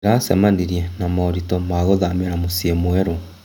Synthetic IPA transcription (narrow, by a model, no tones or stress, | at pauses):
ɾasɛmaniɾiɛnamɔːɾitɔmaɣoðamɛɾamosiemwɛɾo